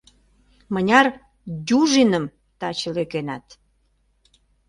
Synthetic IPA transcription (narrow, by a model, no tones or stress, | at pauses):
mənʲɑr | dʲuʒinəm | t̪ɑt͡ɕəlekenɑt̪